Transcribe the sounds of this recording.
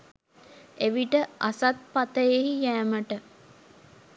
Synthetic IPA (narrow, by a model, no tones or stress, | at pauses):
eʋiʈəʔasat̪̚pat̪əjeɦijæːməʈə